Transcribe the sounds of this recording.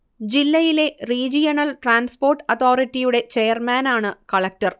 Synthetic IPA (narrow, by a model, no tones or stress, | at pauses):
d͡ʑilːɐjile̞riːd͡ʑijɐnɐlʈraːnspo̞ːrʈːɨɐt̪ʰoːritːijuɽe̞t͡ɕe̞ːjɐrmaːnaːɳɨkɐɭɐk̚tɐr